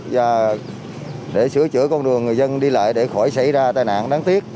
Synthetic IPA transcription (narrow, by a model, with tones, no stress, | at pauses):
vaː˨˩ | ɗe˧˩sɨ˧˩ət͡ɕɨ̰˧˩˥əkɔ˧ŋ͡mɗɨ˨˩əŋːɨ˨˩əjzə˧nɗi˧la̰ː˧˨jɗe˧˩xɔ˧˩jsa˧˩jzaː˧t̪aː˨˩jna̰ː˧˨nɗaː˨˦ŋt̪i˦˥ət̚